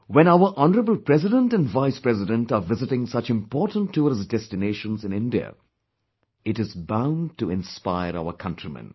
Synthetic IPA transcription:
wɛ̃naʊəʔɔnəɾəbəl̩ˠpɾɛzɪdə̃ntæ̃nɖvaɪspɹɛzɪdə̃nʈavɪzɪʈɪ̃ŋsʌt͡ʃɪ̃mpɔːʈə̃ntʰːuɾɪsdɛstɪneːʃə̃nzɨ̃nɪ̃ndiə̰ | ɪʈɪzbãʊ̃nɖʈuɪ̃nspaɪəɾa̰ʊəkʰʌ̃ntɾimɛ̰̃n

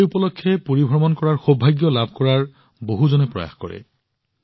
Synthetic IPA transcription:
upɔlɔkʰːɛpoɹibʱɔɹmɔnkɔɹaɹxobʱːajɡjɔlabʱkɔɹaɹ | boɦuzonɛpɹɔ̰ja̰xkɔ̰ɹɛ̰

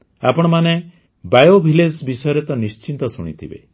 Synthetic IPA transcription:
a̰pɔɽ̃ɔmane | bajobʱiled͡ʒbisɔjɔɾet̪ɔnist͡ʃint̪ɔsuɽ̃ḭt̪ʰibḛ

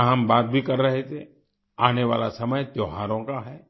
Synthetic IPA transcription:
ɦambaːt̪̚bʱikəɾːəɦet̪ʰe | aːneʋa̰ːlasəməjt̪joɦaːɾõkaɦɛː

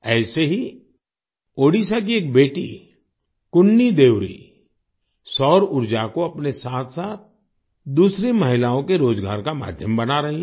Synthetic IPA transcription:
ɛːseɦi | oːɽisak̬ieːk̚beːʈḭ | kʊnːid̪eːʋɾḭ | sɔːɾʊɾd͡ʒakoɐpnesaːt̪ʰsaːt̪̚ʰ | d̪uːsɾemɐɦɪlaːõkeɾoːd͡ʒɡa̰ːɾkama̰ːd̪ʱjəmbɐnaɾɐɦi

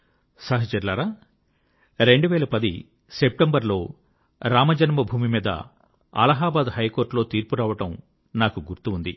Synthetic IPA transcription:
saːɦɐt͡ʃɐɾlaːɾaː | ɾe̞ɳɖuʋɛːɭɐpɐd̪i | sep̚ʈembɐɾlo̞ː | ɾaːmɐd͡ʒɐnɐmɐbʱuːmimiːd̪ɐ̰ | ɐ̰lɐɦaːbaːd̪ɦɐjkoːɾʈlo̞ːt̪iːɾpuɾaːʋɐʈɐm | naːkuɡuɾt̪uund̪i

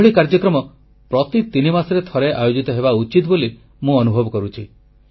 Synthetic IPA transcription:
ɭikaɾd͡ʒɔkɾɔmɔ | pɾɔt̪it̪inimasɔɾet̪ʰɔɾeʔajod͡ʒit̪ɔɦebaut͡ʃit̪boli | mũɔnubʱɔbɔkɔɾut͡ʃʰi

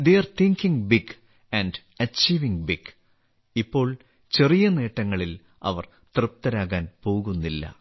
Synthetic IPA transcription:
d̪eɐrt̪ʰiŋkiŋbiɡ | ɐɳɖ | ɐt͡ɕiːʋiŋbik | ipːo̞ːɭ | t͡ɕe̞rijɐne̞ːʈːɐŋːɐɭil | ɐ̰ʋɐr | t̪rɨp̚t̪ɐɾaːɣaːnpo̞ːɣunːilːɐ̰

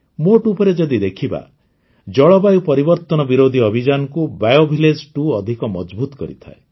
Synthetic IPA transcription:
moʈupɔɾed͡ʒɔd̪id̪ekʰiba̰ | d͡ʒɔɭɔbajupɔɾibɔɾt̪ɔnɔbiɾod̪ʱiɔbʱid͡ʒanɔkubajobʱiled͡ʒʈuɔd̪ʱikɔmɔd͡ʒbut̪ɔ̥kɔɾit̪ʰa̰e

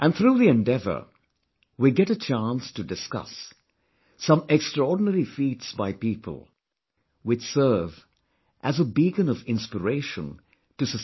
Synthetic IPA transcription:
ʔæ̃nθɾuːðiɛ̃ndɛvə̰˞ | wiɡɛɾɨt͡ʃʰãnstɨdɨskʌ̰sː | ʌ̃mɛkstɹɔɹdⁿn̩əɾifitsbaɪpiːpʰə̰l̩ˠ | wɪt͡ʃsɜ˞v | ʔæzəbiːkə̃nʌvɪ̃nspəɹeɪʃə̰̃n | tɨsɨ

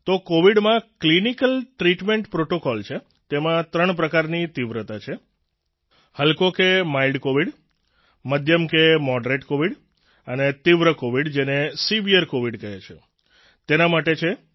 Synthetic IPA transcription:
t̪okoʋiɖmãklinikəlʈɾiʈmeɳʈpɾoʈokɔlt͡ʃʰe | t̪emãt̪ɾəɳpɾəkaɾnit̪iʋɾət̪at͡ʃʰe | həlkokemailɖkoʋiɖ | məd̪ʱjəmkemɔɖɾeʈkoʋiɽ | ənet̪iʋɾəkoʋiɖd͡ʒenesiʋieɾkoʋiɖkəɦet͡ʃʰe | t̪enamaʈet͡ʃʰe

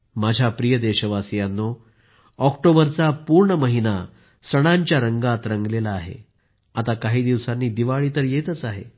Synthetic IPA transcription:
mad͡ʑʱapɾijəd̪eɕəʋasjanːo | ɔkʈobəɾt͡sapuɾɳəməɦina | səɽ̃aɲt͡ɕjaɾəŋɡat̪ɾəŋɡlelaːɦḛ | at̪akaɦiːd̪iʋsanːiːd̪iʋaɭiːt̪əɾjet̪ət͡saɦḛ

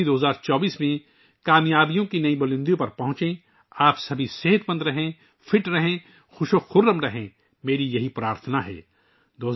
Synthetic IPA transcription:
id̪oːɦzaːɾt͡ʃɔːbiːsmẽ | kaːmjaːbijõkinɐĩbɐlɪ̃nd̪jõpɐɾpɐɦʊ̃t͡ʃẽ | aːpsɐbʱiseɦət̪mɐ̃nd̪ɾɐɦẽ | fʰɪʈɾɐɦẽ | xʊʃoxʊɾːəmɾɐɦẽ | meːɾijɐɦipɾaːɾt̪ʰənaɦɛ̰ː | d̪oː

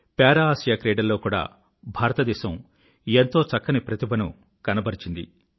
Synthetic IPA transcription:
pɛːɾɐaːsjaːkɾeːɖɐlːo̞ːkuːɽa̰ː | bʱaːɾɐt̪ɐd̪ɛːʃɐm | ent̪o̞ːt͡ʃɐkːɐnipɾɐt̪ibɐnu | kɐnɐbɐɾit͡ʃind̪ḭ

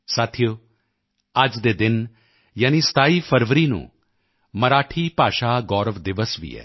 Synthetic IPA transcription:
saːt̪ʰijo | aːd͡ʒd̪eːd̪ɪn | jaːnist̪ʰaːiːpʰəɾʋəɾinṵ̃ː | mɐɾaːʈʰiːpaːʃaːɡɔːɾʋd̪ɪʋəsʋḭːɛ̰ː

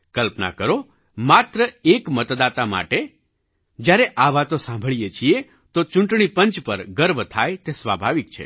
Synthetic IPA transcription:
kəlpna̰kəɾo | mat̪ɾəekmət̪d̪at̪ama̰ʈe | d͡ʒjaɾeʔaʋat̪osãmbʱəɭijet͡ʃʰie | t̪ot͡ʃʊɳʈɳipəɲt͡ʃpəɾɡəɾbʱt̪ʰajt̪esʋabʱaʋik̚t͡ʃʰḛ

